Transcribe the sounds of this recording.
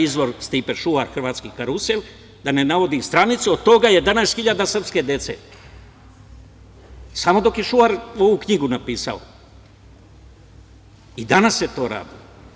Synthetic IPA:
izʋo̞ɾst̪ipeʃuaɾxr̩ʋaːt̪skikaɾusel | d̪ane̞naʋo̞d̪ist̪ɾanit̪suod̪̚t̪o̞ɡaje̞d̪anaest̪xiʎad̪asr̩pske̞d̪je̞t̪sḛ | samo̞d̪o̞kje̞ʃuaɾo̞ʋukɲiɡunapiːsa̰o̰ | id̪anasjet̪o̞ːɾa̰ːd̪ilo

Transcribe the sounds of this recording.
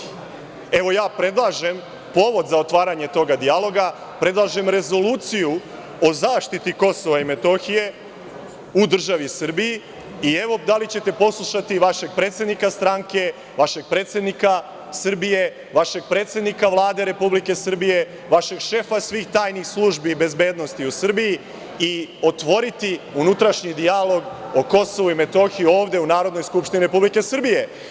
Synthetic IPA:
e̞ʋo̞jaːpɾe̞d̪lˠaʒe̞m | po̞ʋo̞d̪zaot̪ʋaːɾaɲe̞t̪o̞ɡad̪ialo̞ɡa | pɾe̞d̪lˠaʒe̞mɾe̞zo̞luːt̪siju | o̞zaːʃt̪it̪iko̞so̞ʋaime̞t̪o̞xije̞ | ud̪r̩ʒaʋisr̩biji | ie̞ʋo̞d̪alit͡ɕe̞t̪e̞po̞slˠuʃat̪iʋaʃeɡ̚pɾet̪sje̞d̪nikast̪ɾaŋke̞ | ʋaʃe̞ɡ̥̚pɾe̞ːt̪sje̞d̪nika | sr̩bije̞ | ʋaʃe̞ɡ̚pɾeːt̪sje̞d̪nikaʋlˠaːd̪e̞ɾe̞publike̞sr̩bije̞ | ʋaʃe̞ɡʃe̞fasʋiːxt̪aːjnixslˠuːʒbibe̞zbe̞ːd̪no̞st̪iusrbiji | io̞t̪ʋo̞ɾit̪iunut̪ɾaʃɲid̪ijalo̞ɡo̞ko̞so̞ʋuime̞t̪o̞xijo̞ːʋd̪e̞unaːɾod̪nojskupʃt̪iniɾe̞publike̞sr̩bije̞

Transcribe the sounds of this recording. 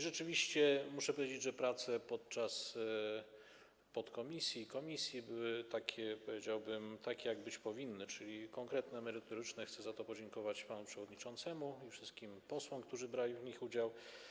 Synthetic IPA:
ʐɛt͡ʂɘvʲiɕt͡ɕɛmuʂɛpɔvʲjed͡ʑed͡ʑʐɛpɾat̪sɛpɔt̪̚t͡ʂas | pɔt̪kɔmʲisʲjikɔmʲisʲjibɘwɘt̪akʲʰɛpɔvʲjed͡ʑawbɘmt̪akʲejaɡbɘt͡ɕpɔvʲinːɘt͡ʂɘlʲikɔŋkɾɛt̪nɛmɛɾɘt̪ɔɾɘt͡ʂnɛxt̪sɛzat̪ɔpɔd͡ʑɛŋkɔvat͡ɕpanupʂɛvɔd̪ɲit͡ʂɔnt̪sɛmuifʂɘst̪̚kʲimpɔswɔmk̚t̪uʐɘbɾalʲivɲixud͡ʑaw

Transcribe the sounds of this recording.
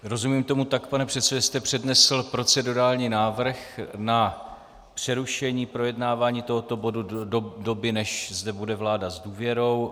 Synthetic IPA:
ɾo̞zumiːmt̪o̞mut̪akpanɛpr̥ɛt̪sɛdɛst̪ɛpr̝̥ɛdnɛsl̩pɾo̞t͡sɛduɾaːlɲiːnaːvr̩xna | pr̝̥ɛɾuʃɛɲiːpɾo̞jɛdnaːvaːɲiːt̪o̞ɦo̞t̪o̞bo̞dudo̞bɪnɛʃzdɛbudɛvlaːdazduːvjɛɾo̞w

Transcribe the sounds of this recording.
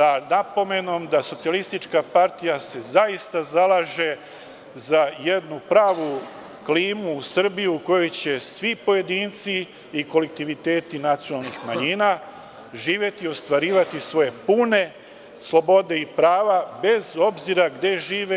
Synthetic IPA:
sanapo̞me̞no̞md̪aso̞t̪sijalist̪it͡ʃkapaɾt̪ijase̞zaist̪azalˠaʒe̞ | zaje̞d̪nupɾaːʋu | kliːmuːsr̩bijuuko̞jo̞jt͡ɕe̞sʋipo̞je̞d̪iːnt̪si | iko̞lek̚t̪iʋit̪e̞ːt̪inat̪sionalˠnixmaɲiːna | ʒiːʋje̞t̪iːo̞st̪ʋaɾiːʋat̪isʋo̞je̞puːne̞ | slˠo̞bo̞d̪e̞ipɾaːʋabe̞zo̞bziɾaɡd̪e̞ʒiːʋe

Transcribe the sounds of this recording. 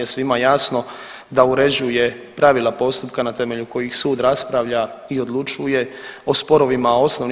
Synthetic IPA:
esʋimajaːsno̞ | d̪auɾe̞d͡ʑuje̞ | pɾaʋilˠapo̞st̪up̚kanat̪e̞me̞ʎuko̞jixsuːd̪ɾaspɾaʋʎaio̞d̪lˠut͡ʃuje̞ospo̞ɾo̞ʋimao̞snoʋn

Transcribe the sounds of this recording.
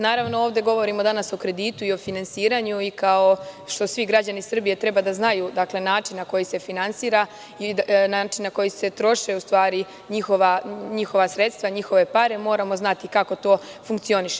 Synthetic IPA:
naːɾaʋno̞oːʋd̪e̞ɡo̞ʋo̞ɾimo̞d̪anaso̞kɾe̞d̪iːt̪uio̞finansiːɾaɲuikao̞ʃt̪o̞sʋiɡɾad͡ʑanisr̩bije̞t̪ɾe̞bad̪aznajuːd̪akle̞naːt͡ʃinːako̞jise̞finansiːɾa | inaːt͡ʃinːako̞jise̞t̪ɾo̞ʃeust̪ʋaːɾi | ɲixo̞ʋaɲixo̞ʋasɾe̞t̪st̪ʋaɲixo̞ʋe̞paɾe̞mo̞ːɾamoznat̪ikako̞t̪o̞ːfuŋk̚t̪io̞niʃe

